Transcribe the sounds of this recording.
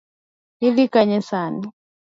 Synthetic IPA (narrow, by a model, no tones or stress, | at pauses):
iðikaɲɛsani